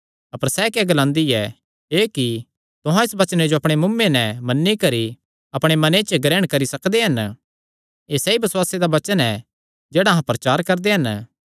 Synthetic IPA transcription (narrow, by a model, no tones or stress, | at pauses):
ɐpəɾsɛkɛɡɐlãːnd̪iɛ̰ | eːki | t̪ʊɦãɪsbɐt͡ʃned͡ʒoɐpɽ̃emʊmːenɛmɐnːikɐɾi | ɐpɽ̃emɐnet͡ʃəɡɾɛːəɽ̃kɐɾisɐkd̪eɦɐn | eːsɛibɪswaːsed̪abɐt͡ʃənɛ | d͡ʒeːɽaɦãpɾɐt͡ʃaːɾkɐɾd̪eɦɐn